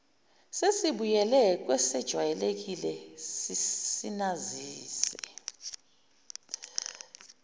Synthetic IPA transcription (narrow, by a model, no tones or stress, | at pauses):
sesiɓujɛlɛk̬ʼwɛsɛd̥ʒ̥ʱwajɛlek̬ilɛsisinaziːsɛ